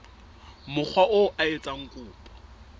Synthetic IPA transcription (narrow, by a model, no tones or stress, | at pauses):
mʊk͡xʰwaʔoʔaet͡sʼaŋ̩kʼuːpʼɔ̥